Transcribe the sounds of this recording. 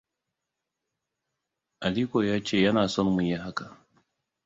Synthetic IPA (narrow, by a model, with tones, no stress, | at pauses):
ʔa˨liː˦kʷoː˨jaː˦t͡ʃeː˦˨jɐ˦naː˨sɔ˦˨mmʊ˨ja˦ɦa˦ka˨